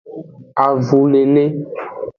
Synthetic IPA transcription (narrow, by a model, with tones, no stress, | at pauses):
a˨vu˨ne˨ne˦